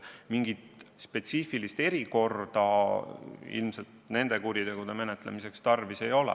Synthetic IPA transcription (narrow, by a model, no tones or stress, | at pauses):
miŋɡ̥it̪spe̞t̪sifilist̪e̞ɾiko̞rd̪̥ɑ | ḭlmselt̪ne̞nd̪̥e̞kuɾit̪e̞ɡ̥ud̪̥e̞me̞net̪ˑlḛmise̞kst̪ɑrvise̞jo̞lɛ̰